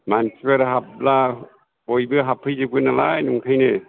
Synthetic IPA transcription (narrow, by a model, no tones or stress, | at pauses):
mansipeɾɦap̚la | bojbɯɦapʰːɯjzɯk̚ɯnalajnuŋkʰajnɯ